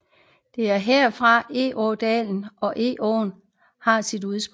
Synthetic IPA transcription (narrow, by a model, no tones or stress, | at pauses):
d̥e̝æɐɦeɐ̰fʁɑ̈e̝̰ʔɒːd̥ɛːln̩ʔɒ̽ʔe̝̰ːʔɒ̰ːn | hɑ̈sid̥uðˠsb̥